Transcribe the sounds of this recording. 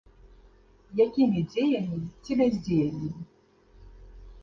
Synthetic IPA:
jakʲimʲid͡zʲejamʲit͡sʲibɛzʲd͡zʲejamʲimi

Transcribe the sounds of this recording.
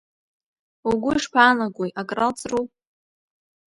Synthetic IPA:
uɡʷʊiʂpʰaːnaɡʷʼojʔakʼralt͡sʼru

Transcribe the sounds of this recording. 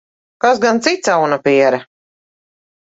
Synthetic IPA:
kasɡant̪sit̪sawnapiɛɾɐ

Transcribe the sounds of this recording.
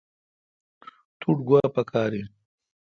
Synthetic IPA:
t̪ʰuʈɡwaːpɐkʰaːɾi

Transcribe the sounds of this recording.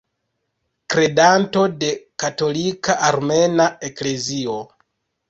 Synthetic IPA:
kɾe̞danto̞de̞kato̞likaʔaɾme̞nae̞kle̞zio̞

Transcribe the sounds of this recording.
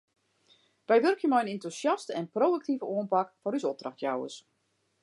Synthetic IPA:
ʋɛjʋørkʰjəmɔjənentusjastəɛnprowək̚tivəuənpakfɔrysɔp̚d̥raxtjawə̰s

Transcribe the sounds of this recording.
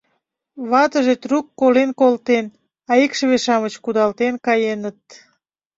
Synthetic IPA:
βɑt̪əʒet̪rukːolenkolt̪en | ɑikʃəβeʃɑmət͡ɕkud̪ɑlt̪enkɑjenət̪̚

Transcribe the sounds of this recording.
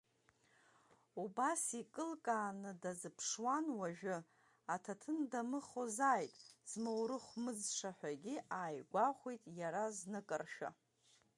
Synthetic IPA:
ubasikʼɨlkʼaːnɨdazɨpʰʂwanwaʒᶣʊ | atʰatʰɨndamɨχozaːjtʼz̥mowɾɨχʷmɨd͡zʂaħʷᶣaɡʲiaːjɡʷaχʷejtʼjaɾaznɨkʼɨrʃᶣa̰

